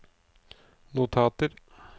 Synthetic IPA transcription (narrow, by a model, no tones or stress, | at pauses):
nʊt̪ʰɑːt̪əɾ